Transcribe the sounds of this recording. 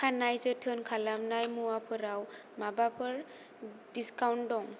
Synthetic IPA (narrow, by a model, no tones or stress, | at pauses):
kʰanajzətʰɯnkʰalamnajmuwapʰɯɾaw | mabapʰɯɹ | diskawndɔŋ